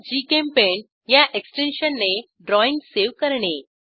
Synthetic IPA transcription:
d͡ʑiːkẽmpen | jaʔeksʈenɕənːe | ɖɾɔĩŋɡseʋkəɾɳe

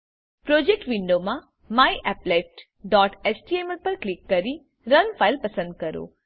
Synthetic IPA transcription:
pɾod͡ʒek̚ʈʋiɳɖomã | maiʔɛpleʈ | ɖɔʈesʈiemelpəɾklikːəɾi | ɾənfʰailpəsə̃nd̪̚kəɾo̰

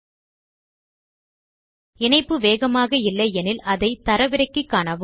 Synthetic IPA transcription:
ɪnɐɪpːɯʋeːɣɐmaːɣɐɪlːɐɪɛnɪlɐðɐɪt̪ɐɾɐʋɪɾɐɪkːɯkːaːɳɐʋɯ

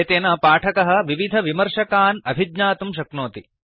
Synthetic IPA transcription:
et̪eːnɐpaːʈʰɐkɐɦɐ̆ʋiʋid̪ʱɐʋimɐɾʃɐkaːnɐbʱid̪naːt̪umʃ̬ɐknoːt̪i

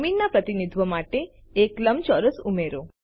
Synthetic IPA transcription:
minːapɾət̪inid̪ʱʋəmaʈeː | kləmt͡ʃɔɾəsumeɾo

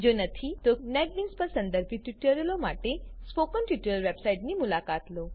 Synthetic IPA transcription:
d͡ʒonət̪ʰit̪onɛɖlinspəɾsə̃nd̪əɾbʱiʈiʈəɾjəlomaʈespokənʈjuʈəɾjəlʋebsaiʈnimulakat̪lo

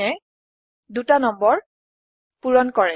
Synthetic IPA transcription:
ɛ | dutanɔmbɔɹ | puɹɔnkɔɹɛ

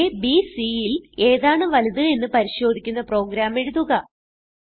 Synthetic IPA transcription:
ebisiile̞ːðaːɳɨʋɐliðɨe̞nːɨpɐɾiɕo̞ːd̪ʱikʲːunːɐpro̞ːɡɾaːme̞ɻuðuɣɐ

